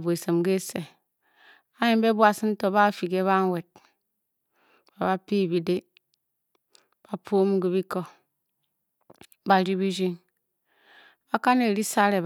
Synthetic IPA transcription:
bu˨e˨se˨mɡe˦se˨ | a˦je˦˨m˦be˦bwa˨si˦n̩˦to˨ba˦˨fi˨ɡe˦βa˦ŋ˦we˨t̚ | ba˨βa˦pi˦˨bi˨de˦ | b̥a˨pʰo˦m̩˦ɡi˦bi˦ko˦ | ba˨ɾi˦bi˦d͡ʒi˦ŋ | a˦ka˦ne˨ɾi˦sa˦ɾe˨

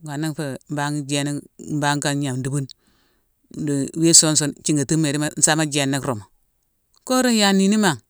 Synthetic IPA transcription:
ɡa˨na˦kfe˨m˦ba˦ŋ˦d͡ʒe˦ni˦m̩˦ba˦ŋ˦ka˦ɲa˨mn˨du˨bu˦n | n˦du˨˦we˦so˦n˦s̬o˦nt͡ʃi˦ŋɡa˨tu˦me˨ɾi˦ma˦n̩˦sa˦ma˦d͡ʒe˨nːa˦kɾo˨ma˨ | ko˦ɾo˦n˦ja˨ni˨ni˦ma˨ŋ

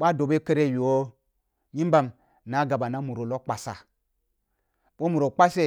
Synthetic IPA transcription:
ɓa˦do˨be˦kə˦ɾe˦˨wi˨wo˦ | ɲi˦mba˦m | na˦ɡa˨ba˨na˦mu˨ɾo˨lo˦k͡pa˨sa̰˨ | ɓo˦mu˨ɾo˨k͡pa˦se˦

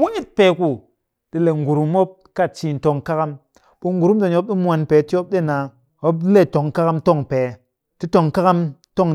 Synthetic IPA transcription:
wo˦i˦t̚pe˨ku˨ | ɗi˧le˨ŋ̩˨ɡu˨ɾu˨mo˦p̚ka˦˨t͡ʃi˧n̩˨to˧ŋka˦ka˦m | ɓu˧ŋ˦ɡu˨ɾu˦mde˨ɲo˦p̚ɗi˦mʷ˦a˧npe˨˦ti˦o˦p̚ɗe˦˨na˨ | o˦ple˦˨to˨ŋka˦ka˦mto˦˨ŋpe˨ | ti˦to˧ŋka˦ka˦mto˦ŋ

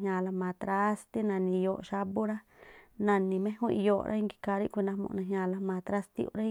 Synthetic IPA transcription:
ɦɲã˧la˧mãː˨˧t̪ɾa˦st̪i˦nã˨nĩ˧˨˧jo˧ʔʃa˦bu˦ɾa˦nã˨nĩ˧mẽ˦hũ˦i˧jo̰˧˨˧ɾʔa̰˦i˦ŋɡi̥˧ka˧ɾi˦˧kʷi˧nã˧mṵ̃˧nã˧ɦɲã˧la˧mãː˨˧t̪ɾa˦st̪ḭ˦ṵ˧ɾa˦

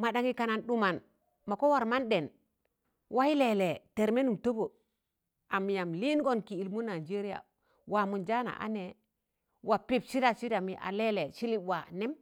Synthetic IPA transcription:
ma˨ɗa˨ŋi˦ka˨na˨nɗu˦ma˨n | ma˨ko˦wa˨ɾma˦nɗe˨n | wa˦i˦le˨le˨te˨ɾme˦nu˨mto˦bo˨ | a˨mi˨ja˨mli˦nɡo˦˨nkiː˨lmu˦na˨d͡ʒe˦ɾi˦ja̰˨ | wa˨mu˨nd͡ʒa˦na̰˨ʔa̰˦ne˨ | wa˨pi˦psi˦da˨si˦da˨mi˨ʔa̰˨le˦le˨si˦li˦bwa˨ne˦m

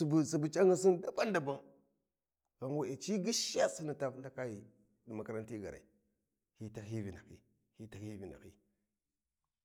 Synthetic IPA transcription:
bu˨si˨bu˨t͡ʃa˦ŋə˨si˦nda˦ba˦nda˨ba˦ŋ | ɣa˨ŋwa˨e˨t͡ʃi˦ɡi˦ʃa˦si˦ni˨ta˦na˦ka˦ji˨ | di˨ma˨ka˦ɾa˦nti˦ɡa̰˨ɾa̰˨i˨ | hi˦ta˨ɦi˦vi˨na˨kḭ˦ | hi˦ta˨hi˦vi˨na̰˨kḭ˦

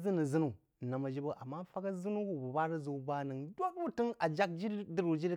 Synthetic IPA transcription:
zɨ˦nu˨zɨ˦nu˨ | na˨ma˨d͡ʒi˦bo˦ʔa̰˨mːa˦fa˦ka˦zɨ˦nu˦ku˨bu˨ba˦ɾi˦zu˨˦ba˦nɨ˨ŋdʷo˦kbu˦tɨ˦ŋa˨d͡ʒa˦k̚d͡ʒi˦ɾdi˦ɾu˨d͡ʒi˦ɾ

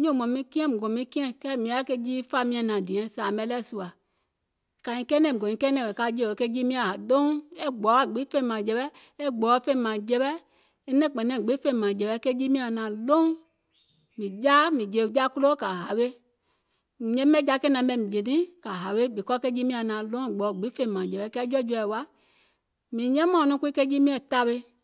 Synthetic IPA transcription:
ɲõ˦˨mɔ̃˨mĩ˦kĩ˦ɛ̃˦mũ˨ɡõ˨mĩ˧˦kĩ˦ɛ̃˦kɛː˦mĩ˧˦a˨˦ke˧d͡ʒi˦fa˧mĩ˧˦ã˨nã˨dĩ˨ɛ̃˨˦saː˨mɛ̃˧˦lɛ˦˨su˧a˨ | ka˨ĩ˧˦kɛ˦nɛ̃˦˨õ˨ɲĩ˧˦kɛ˦nɛ̃˨ɛ˨ka˧˦d͡ʒe˦o˨ke˦d͡ʒi˦mĩ˦ã˨ɦa˨dõ˦e˦ɡ͡bɔ˨˦a˨ɡ͡bi˨˦fẽ˦ĩ˨mã˨d͡ʒɛ˧ɓɛ˦ | e˦ɡ͡bɔː˨˦fẽ˧ĩ˨mã˨d͡ʒɛ˧ɓɛ˦ | e˦nɛ̃˦˨k͡pɛ̃˨nɛ̃˨ɡ͡be˨˦fẽ˧ĩ˨mã˨d͡ʒɛ˨ɓɛ˧˦ke˦d͡ʒi˦mĩ˦ã˨nã˨lõ˦ | mĩ˨d͡ʒa˦mĩ˨d͡ʒe˨d͡ʒa˦ku˦lo˦ka˨ɦa˨we˦˨ | ɲɛ̃˦mɛ̃˦d͡ʒa˧˦kɛ˦nã˨˧˦ɓɛ˧˨mĩ˨d͡ʒe˨nĩ˦ka˨ɦa˨βe˦bi˨kɔ˦kɛ˧˦d͡ʒi˦mĩ˧˦ã˨nãː˨lõ˦˨ɡ͡bɔː˨˦˨ɡ͡bi˨˦fẽ˧ĩ˨mãː˨d͡ʒɛ˨ɓɛ˧˦kɛ˦d͡ʒɔ˦d͡ʒu˧˦ɛ˨wa˦ | mĩ˨ɲɛ̃˦mã˨nũ˧˦ku˦i˦kɛ˦d͡ʒi˦mĩ˦ɛ̃˨ta˧ɓe˧

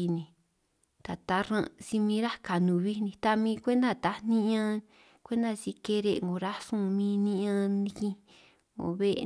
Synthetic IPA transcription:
i˧nĩ˧ | t̪a˨t̪a˧˦ɾã̰˧si˧mĩ˧˦ɾa˦ka˨nũ˨βi˦˧nĩ˧t̪a˧mĩː˧kʷe˦nd̪a˦˧˨t̪a˧˦nĩ˦ã˦ | kʷe˦nd̪a˧si˧ke˧ɾe˦˧˨ŋɡo˨ɾa˦sũ˦˧mĩ˦nĩ˦ã˦˧nĩ˧kĩ˧ | ŋo̰˨βe˦ʔ

